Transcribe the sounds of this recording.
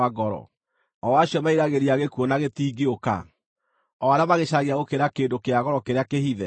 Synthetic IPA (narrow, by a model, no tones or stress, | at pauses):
aɡɔɾɔ̰ | ɔwaɕjɔmaiɾaɣeɾiaɣekwɔnaɣetiːɡeoka̰ | ɔaɾeamaɣeʃaɣeaɣokeɾakeːndokeaɣɔɾɔkeɾeakehiðɛ